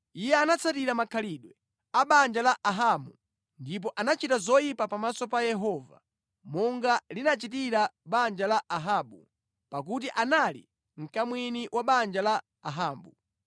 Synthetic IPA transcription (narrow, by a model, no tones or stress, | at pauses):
ijɛanat͡sʰatiɾamakʰaliɗwɛ | aɓand͡ʒalaʔaɦamu | ndip̬ɔʔanat͡ʃitazɔjipapamasɔpajɛɦɔva̰ | mɔŋɡalinat͡ʃit̬iɾaɓand͡ʒalaʔaɦaːɓṵ | pak̬ut̬iʔanalḭ | ŋ̩kamwiniwʔaɓand͡ʒalaː | ɦaːmbu